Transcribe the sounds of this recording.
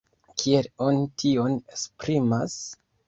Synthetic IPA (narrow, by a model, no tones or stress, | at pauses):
kʰie̞lo̞nitʰio̞nespɾima̰s